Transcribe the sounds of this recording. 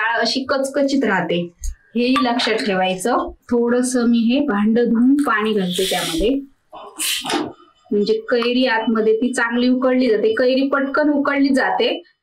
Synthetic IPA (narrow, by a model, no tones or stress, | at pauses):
aɭəɕiːkət͡skət͡ɕiːt̪ɾaɦt̪eɦeiləkʂaʈ̪kʰeʋajt͡sət̪ʰoɽəsəmiːɦebʱaɳɖəd̪ʱuːmpaɽ̃iːɡʱəɽt̪et̪jaməd̪ʱːje | m̤əɳd͡zekəjɾiːat̪məd̪ʱːjet̪iːt͡saŋɡliːukəɽliːd͡zat̪ekəjɾiːpəʈkənukəɽliːd͡zat̪e